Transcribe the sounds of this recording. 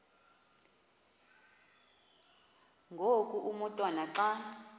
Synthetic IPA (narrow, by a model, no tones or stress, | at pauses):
ŋɡʱokʼuʔumɔtʼwanaǁa